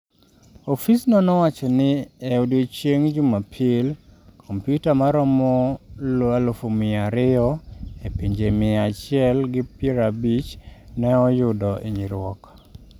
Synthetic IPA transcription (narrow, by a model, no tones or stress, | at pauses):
ofisnɔnɔwat͡ʃɛnɪeodet͡ʃjeŋd͡ʒumapʰelkʰompjutamaɾɔmɔlalofomɪaɾɪɔepiɲd͡ʒemɪat͡ʃɪɛlɡɪpeɾabit͡ʃnɛɔjʊdɔʔḛɲiɾwɔk